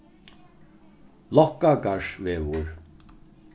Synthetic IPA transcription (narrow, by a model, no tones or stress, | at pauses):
lɔhkʼakʼaʂvɛvuɾ